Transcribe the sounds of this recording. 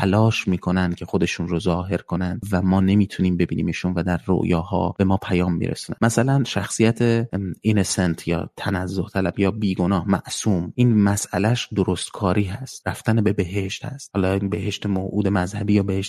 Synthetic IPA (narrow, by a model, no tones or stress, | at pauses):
ælɒːʃmiːkʰo̞nænd̪̥cʲʰe̞xo̞d̪e̞ʃuːnrozɒːɦe̞ɾkʰo̞nænd̪væmɒːne̞miːt̪ʰuniːmbe̞biːnḭːmiʃunvæd̪æɾːo̰ʔjɒːhɒ̰ːb̥e̞mɒːpʰæjɒːmːḭːɾʔḛsunæ̰nmæsælænʃæxsijæt̪ʰeinesent̪ʰjɒ̰ːt̪ʰænæzːoht̪ʰælæbjɒːbiːɡo̞nɒːhmæʔsuːmʔiːnmæsʔælæʃd̪oɾost̪kʰɒːɾiːɦæst̪ræft̪ænebe̞be̞ɦeʃt̪hæ̰st̪hɒːlɒinbe̞heʃt̪emoʔuːd̪e̞mæzhæbiːjɒːbe̞heʃt̪